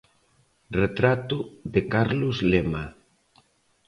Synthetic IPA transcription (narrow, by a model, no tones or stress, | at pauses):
ret̪ɾat̪uðekaɾluzlema